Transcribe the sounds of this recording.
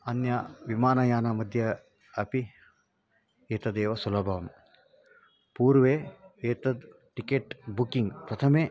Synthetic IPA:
ɐnjɐʋimaːnɐjaːnɐmɐd̪ʱjɐ | ɐpi | eːt̪ɐd̪eːʋɐsulɐbʱɐʋɐm | puːɾʋeːeːt̪ɐd̪ | ʈikeːʈbukiŋɡt̪ɐt̪ʰɐme

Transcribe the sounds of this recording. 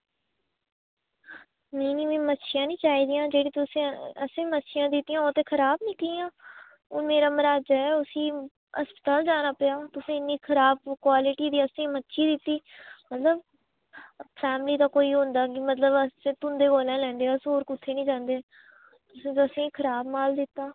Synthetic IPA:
nəiniːmɛ̃ːmətːʃʰɪjãːnĩːt͡ʃaːɦiːd̪ijãːd͡ʒeːɽĩːt̪ʊsẽəsẽːmətːʃʰɪjãːd̪ɪt̪ːijãːõːt̪eːkʰəɾaːbnĩːkːãː | ʊnmeːɾaːməɾaːd͡ʒaːɛːʊsĩː | əspət̪aːld͡ʒaːnaːpɪjaːt̪ʊsẽːɪnːiːkʰəɾaːb̚kwaːlɪʈiːd̪iːəsẽːmətːʃʰiːd̪ɪt̪ːiːmət̪ləb | pʰɛːmliːt̪aːkoːiːɦʊ̃nd̪aːkɪmət̪ləbəsẽːt̪ʊnd̪eːɡoːlãːlɛ̃ːnd̪eːaːsoːɾkʊt̪ʰːeːnĩːd͡ʒãːnd̪eː | t̪ʊsẽːt̪ːəsẽːkʰəɾaːbmaːld̪ɪt̪ːaː

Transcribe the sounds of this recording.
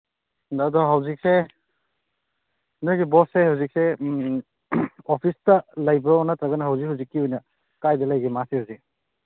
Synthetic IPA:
ɐdɔɦɐwzik̚se | nojɡibɔsːehawzik̚se | opʰistɐlɐjbɐɔnɐtɾaɡɐnɐɦawzik̚hawzikːiujnɐ | kajdɐlɐjɡimasehawzik̚

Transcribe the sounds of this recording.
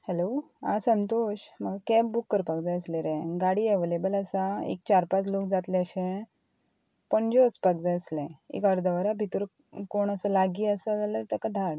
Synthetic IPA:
helo | a̰sənt̪oɕm̤əɡkɛbbukːəɾpəɡd͡zəəsleɾẽɡaɽiːɛʋelebələsaḛk̚t͡ɕaɾpat͡slok̚d͡zat̪leəɕẽ | pəɳd͡ʑot͡spəɡd͡zəəslẽḛkəɾd̪əʋəɾabʱit̪uɾ | koɳ̃əsəlaɡiːəsəd͡zaləɾt̪əkəd̪ʱaɽ

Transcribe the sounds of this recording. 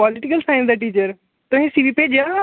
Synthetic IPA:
ɔlɪʈɪkəlsaːɪ̃nd̪aʈiːt͡ʃəɾ | t̪ʊɦĩːsiʋipeːd͡ʒa

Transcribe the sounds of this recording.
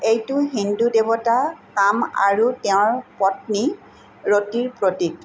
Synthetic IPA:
ejtʊɦindudebɔtakama̰ɹuteʊ̃ɹpɔtni | ɹotiɹpɹotik̚

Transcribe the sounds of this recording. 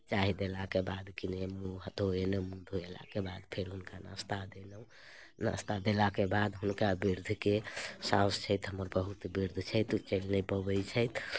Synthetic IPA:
t͡ʃaɦid̪elakebad̪kinemũɦət̪oenəmũd̪ʱoela̰kebad̪pʰeɾɦunkanã̰st̪ad̪enũ | na̰st̪ad̪elakebad̪ɦunkabiɾd̪ʱkesãst͡ʃʰəjt̪ɦəmːəɾbəɦut̪biɾd̪ʱt͡ʃʰəjt̪ut͡ʃəlnəpəbəjt͡ʃʰəjt̪ʰ

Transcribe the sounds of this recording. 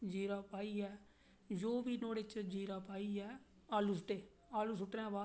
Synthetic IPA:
d͡ʒiːɾaːpaːiːɛː | d͡ʒoːʋiːnoːɽeːt͡ʃd͡ʒiːɾaːpaːiːɛː | aːluːs̬ʊʈeː | aːluːsʊʈnɛ̃ːbaː

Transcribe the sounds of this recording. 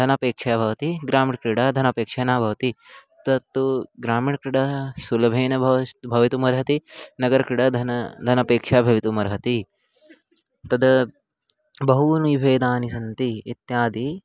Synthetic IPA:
d̪ʱɐnɐpeːkʂaːbʱɐʋɐt̪iɡɾaːmiɳkɾiɽad̪ʱɐnɐpeːkʂɐːnaːbʱɐʋɐt̪it̪ɐt̪ːuɡɾaːmiɳkɾiɽɐsulɐbʱeːnɐbʱɐbʱɐʋit̪umɐɾɦɐt̪inɐɡɐɾkɾiɽɐd̪ʱɐnɐd̪ʱɐnɐpeːkʂaːbʱɐʋit̪umɐɾɦɐt̪i | t̪ɐd̪ɐ | bɐɦunujibʱeːd̪aːnisɐnt̪iːt̪jaːd̪i

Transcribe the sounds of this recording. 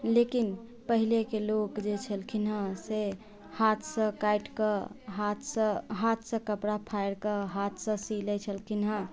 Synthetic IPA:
lekin | pəɦilekelokd͡ʒet͡ʃʰəlkʰinɦə̃se | hat̪ʰsə̃kajʈkəɦat̪ʰsə̃ɦat̪ʰsə̃kəpɽapʰajɾkəɦat̪ʰsə̃silɛt͡ʃʰəlkʰinɦə̃

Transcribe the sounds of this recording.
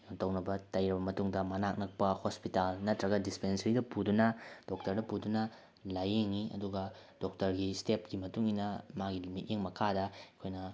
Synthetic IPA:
joŋtɐwnɐbɐtɐjɾɐbɐmɐtuŋdɐmanak̚nɐk̚pɐhospitalnɐtɾɐɡɐdispensɐɾidɐpudunɐd̥ok̚tɐɾdɐpudunɐ | lajeŋːiʔɐ̰duɡɐd̥ok̚tɐɾɡistep̚ɡimɐtuŋinɐmaɡilimit̚jeŋmɐkʰadɐkʰojnɐ

